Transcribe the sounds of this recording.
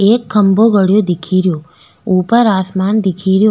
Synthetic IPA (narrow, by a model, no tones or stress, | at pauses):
ekʰːəmboɡəɽjod̪ɪkʰiɾjo | upəɾasmand̪ikʰiɾjo